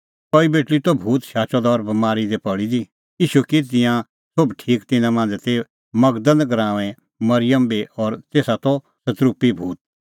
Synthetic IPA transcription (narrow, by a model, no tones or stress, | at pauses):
kɔːibeːʈlit̪ɔbʱuːt̪ʃaːt͡ʃɔd̪aːɾbɐmaːɾid̪ɛpɐɽid̪i | iːʃukit̪ɪ̃jã | sʊbʈʰiːkt̪ɪnãmãːnd͡zt̪e | mɐɡd̪ənɡɐɾãːʋɛ̃ | mɐɾɪjəmbiɔːɾt̪eːsat̪ɔ | sɐt̪ɾupibʱuːt̪̚